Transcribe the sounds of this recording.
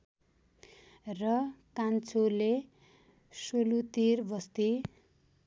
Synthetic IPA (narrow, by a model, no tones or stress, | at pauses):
rʌkant͡sʰole | solut̪irbʌst̪i